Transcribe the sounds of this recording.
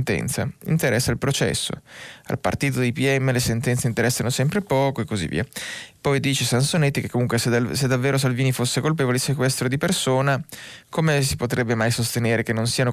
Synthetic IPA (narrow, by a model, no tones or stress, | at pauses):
nt̪ɛ̰nt̪sa̰ḭnt̪eɾɛsːailpɾot͡ʃɛ̰sːo̰a̰lpa̰rt̪iːt̪̬od̪ejpiɛmːelesent̪ɛnt̪seint̪eɾɛsːanosɛmpɾepɔːkoekːozḭvːḭːapɔjd̪iːt͡ʃesansonet̪ːikekːomuŋk̬wessed̪ːavːeːɾos̬alviːnifosːekolp̬eːvolesekwɛst̪ɾod̪ipersoːnakomesipot̪ɾɛbːemajsost̪eneːɾekenːonsiːano